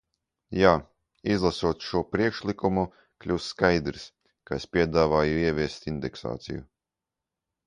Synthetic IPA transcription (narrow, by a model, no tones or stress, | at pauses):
jaː | izlˠasuɔt̪ʃuɔpɾiɛkʃlˠikumu | klʲuːsːkajd̪ɾis | kaespʲiɛd̪aːvaːjuiɛvʲiɛst̪ind̪ɛksa̰ːt̪sḭjṵ